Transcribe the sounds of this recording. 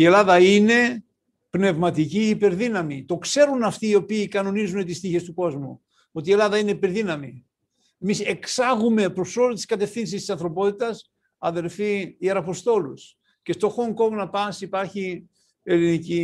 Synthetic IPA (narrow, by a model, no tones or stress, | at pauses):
ie̞lɐðɐine̞ | pne̞vmɐt̪iciːpe̞ɾðinɐmit̪o̞kse̞ɾunɐft̪iːo̞piːkɐno̞nizune̞t̪ist̪içe̞st̪uko̞zmṵ | o̞t̪ie̞lɐðɐine̞ipe̞ɾðinɐmi | emise̞ksɐɣume̞pɾo̞so̞lot̪iskɐt̪e̞fθinsist̪isɐnθɾo̞po̞t̪it̪ɐs | ɐðe̞ɾfiːeɾɐpo̞st̪o̞lus | ce̞st̪o̞xo̞ŋko̞ŋɡnɐpɐsipɐɾçi | e̞linici